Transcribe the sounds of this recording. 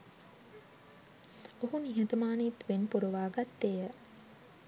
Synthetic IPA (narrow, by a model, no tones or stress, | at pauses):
oɦuniɦet̪əmaːnit̪ʋenpuɾuʋaːɡat̪ːejə